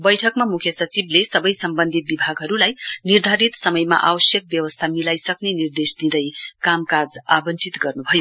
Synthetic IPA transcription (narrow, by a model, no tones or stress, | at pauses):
bʌjʈʰʌkmamukʰjʌsʌt͡siblesʌbʌjsʌmbʌnd̪ʱit̪̚bibʱaɡɦʌɾulajnird̪ʱaɾit̪sʌmʌjma̰ʔa̰wʌsjʌk̚bjʌwʌst̪ʰamilajsʌknenird̪esd̪id̪ʌjkamkad͡zabʌnt͡sʰit̪ɡʌrnubʱʌjo